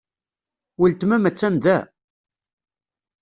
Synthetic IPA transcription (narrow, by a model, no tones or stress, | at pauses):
wilt̪mæmæt͡sːænd̪æ